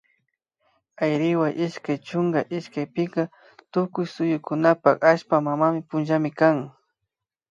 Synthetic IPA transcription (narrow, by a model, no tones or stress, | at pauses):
ajɾɪwaʔɪʃkajt͡ʃʊŋɡaʔɪʃkajpɪka | t̪ʊkʊjsʊjʊkʊnapakaʃpamamamɪpʊnʒamɪkaŋ